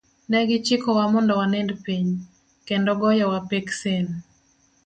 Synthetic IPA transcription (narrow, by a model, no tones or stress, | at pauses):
nɛɡɪt͡ʃɪkɔwamɔndɔwanɛndpiɲ | kendɔɡɔjɔwapeksen